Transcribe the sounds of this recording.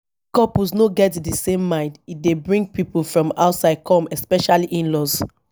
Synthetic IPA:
kɔpusnoɡɛtdisẽmːãɪ̃ndit̚debɹĩŋɡ̚pipulfɹɔ̃maʊtsaɪd̚kʰɔ̃mɛspɛʃaliʔĩnlɔz

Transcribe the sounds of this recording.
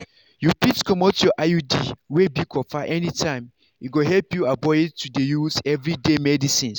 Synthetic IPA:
jupitkɔmɔ̃tjɔʔajudiwebikʰɔfaʔɛnitʰãɪ̃m | iɡoɦɛlpjuabɔetudejuzɛvɹidemɛdisĩn

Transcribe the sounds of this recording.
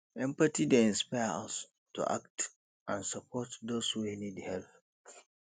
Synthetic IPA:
ʔɛ̃mpatideĩnspajɾã̰ns | tʰṵʔa̰kt | ʔãnsapʰɔtdoshuinidhɛlp

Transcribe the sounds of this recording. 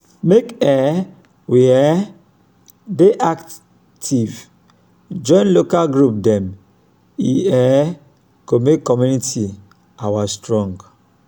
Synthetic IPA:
mekɛ | wiɛ | deʔak | tʰiv | d͡ʒɔ̃ɪ̃nlokalɡɾup̚dɛ̃m | iɛ | komekːɔmuniti | awastɹɔ̃ŋɡ

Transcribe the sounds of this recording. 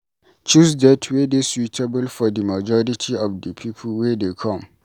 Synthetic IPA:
t͡ʃusdɛtʰwedeswitʰɐbʊlfɔdəmad͡ʒɔɾɪtʰiʔɔfdəpʰipʰʊlwɛdekʰɔ̃m

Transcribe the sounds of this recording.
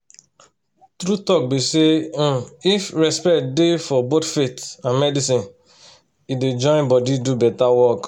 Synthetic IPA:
tɾutɔk̚bisẽ | ifɹɛspɛktdefɔbotfetãnmɛdisĩn | ided͡ʒɔ̃ɪ̃nbɔdidubɛtawɔk

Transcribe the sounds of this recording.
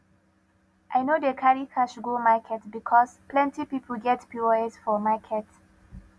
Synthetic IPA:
ʔajnodekʰaɹikʰaʃɡomakʰɛtbikʰɔsplɛ̃ntipipʰl̩ɡɛtpʰuəɛsfɔmakʰɛt

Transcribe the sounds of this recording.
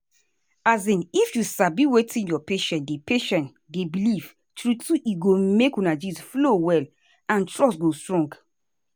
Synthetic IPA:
azĩnifjusabiwetĩnjɔpeʃɛ̃ndepeʃɛ̃n | debiliv | tɹutuʔiɡomekũnad͡ʒisflowɛl | ãntɹɔsɡostɹɔ̃ŋɡ

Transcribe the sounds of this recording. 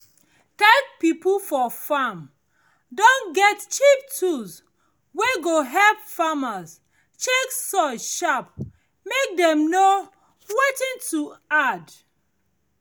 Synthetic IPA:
tɛ̃k̚pipulfɔfam | dɔ̃nɡɛtt͡ʃip̚tʰus | weɡoɦɛlpfamas | t͡ʃeksɔʃap̚ | mek̚dɛ̃mno | wetĩntʰuad

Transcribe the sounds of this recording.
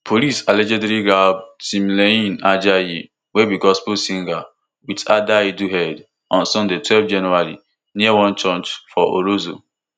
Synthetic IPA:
pʰolisalɛd͡ʒɛdɾiɡab̚sĩmleĩnad͡ʒaji | webiɡɔspusĩŋɡa | witadaiduɦɛd | ɔ̃nsɔ̃ndetwɛlvd͡ʒɛnɛɾalḭ | niawɔ̃nt͡ʃɔ̃nt͡ʃfɔʔo̰ɾozo̰

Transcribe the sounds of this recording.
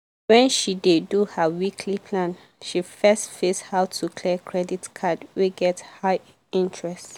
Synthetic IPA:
wɛ̃nʃideduhəwikʰlipʰlãn | ʃifɛstfeshaʊtʰukʰlikʰɹɛditkʰadweɡɛthaɪ | ĩntʰɹɛst

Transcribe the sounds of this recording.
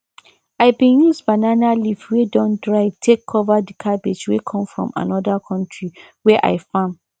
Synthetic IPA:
aɪbĩnjusbananalivfwedɔ̃ndɹaɪvtʰekʰːɔvadikʰabed͡ʒwekʰɔ̃mfɹɔ̰̃mã̰nɔdakʰɔ̃ntʰɹi | wɛʔa̰ɪfãm

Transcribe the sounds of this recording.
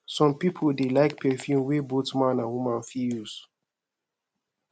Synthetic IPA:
sɔ̃mpipʰoldelaɪk̚pʰɛfjũmwebotmãnãwumãnfijus

